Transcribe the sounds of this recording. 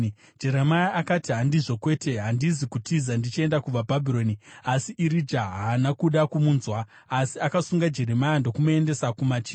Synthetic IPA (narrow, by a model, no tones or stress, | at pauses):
d͡ʒe̞ɾemajaʔakatiɦandiʐo̞kwe̞ːte̞ɦandizikutizandit͡ʃie̞ndakub͡vabʱabʱiɾo̞niasiʔiɾid͡ʒaɦaːnakuɗakumuːnzwaː | siakasuŋɡad͡ʒe̞ɾemajando̞kumoende̞sakumat͡ʃi